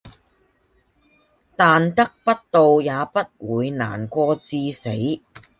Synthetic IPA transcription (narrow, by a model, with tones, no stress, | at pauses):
t̪aː˨nt̪ɐ˥k̚pɐ˥t̚t̪o˨wjaː˨˧pɐ˥t̚wuː˨˧jna̰ː˨˩nkʷɔː˧t͡siː˧se˨˥j